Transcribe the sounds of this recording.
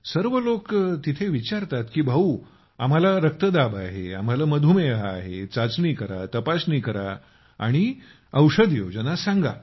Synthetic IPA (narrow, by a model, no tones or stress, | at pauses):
səɾʋəlokt̪it̪ʰeʋit͡ɕaɾt̪at̪kiːbʱəu | am̤alaɾək̚t̪əd̪abaɦea̰m̤alaməd̪ʱumeəɦaːɦet͡sat͡sniːkəɾa̰t̪əpasnikəɾa̰ | a̰ɽ̃i | əwʂəd̪jod͡ʑənasãŋɡa̰